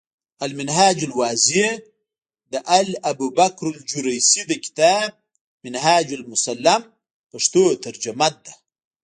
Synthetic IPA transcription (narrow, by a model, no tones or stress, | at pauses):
almɪnɦaːd͡ʒalwaːzi | d̪əʔalabubakɾald͡ʒuɾajsid̪əkɪ̥t̪aːb̚ | mɪnhaːd͡ʒalmʊsalːam | paʂt̪oːt̪aɾd͡ʒamat̪̚d̪a